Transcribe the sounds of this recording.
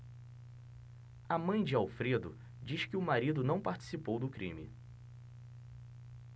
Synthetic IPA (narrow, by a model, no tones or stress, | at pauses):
amɐ̃j̃d͡ʒɪawfɾed̪ʊ | d͡ʒiʃkɪʊmaɾid̪ʊnɐ̃w̃paɾt͡ʃi̥sipowd̪ʊkɾʔḭ̃mɪ̰